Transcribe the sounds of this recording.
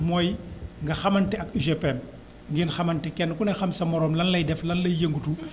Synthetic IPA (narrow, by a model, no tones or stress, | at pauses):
mɔːjŋɡɐxɐmɐntɛɐkiʒepɛm | ŋɡinxɐmɐntɛkɛnːkunɛxɐmsɐmːɔɾɔːmlɐnlɐjdɛflɐnlɐjjeŋɡutu